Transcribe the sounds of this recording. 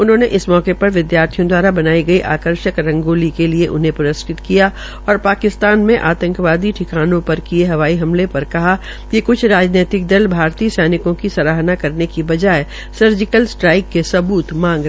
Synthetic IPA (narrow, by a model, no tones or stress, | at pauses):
ʊnɦõːneʔɪsmɔːkepɐɾʋɪd̪jaːɾt̪ʰijõd̪waːɾabɐnaːiɡɐiʔaːkəɾʃəkɾɐ̃ŋɡoːlikelieʔʊ̰nɦẽpʊɾəsʈʰɪt̪kija | ɔːɾpaːkɪst̪aːnmẽʔaːt̪ə̃ŋkʋaːd̪iʈʰɪkaːnõpɐɾkieɦɐʋaːiɦɐmlepɐɾkɐɦa | kikʊt͡ʃʰɾaːd͡ʒneːt̪ɪk̚d̪ɐlbʱaːɾt̪iːsɛːnɪkõkisɐɾaːɦnakɐɾnekibɐd͡ʒaːe | sɐɾd͡ʒɪkəlsʈɾaːɪkːesɐbuːt̪mãːŋɡɾ